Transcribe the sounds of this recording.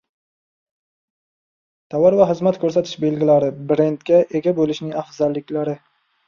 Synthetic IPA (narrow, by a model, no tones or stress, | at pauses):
t̪ʰawaɾvaɦɪzmat̪kʰɵɾsat̪ʰɪ̥ʃbe̞lɡʲɪlaɾɪbɾe̞nd̪kʲaʔe̞ɡʲabolɪʃnɪŋafzalːɪkʲlaɾɪ